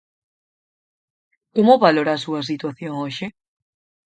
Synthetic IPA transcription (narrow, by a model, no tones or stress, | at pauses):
komoβaloɾaːsuɐs̬it̪waθjoŋoʃɪ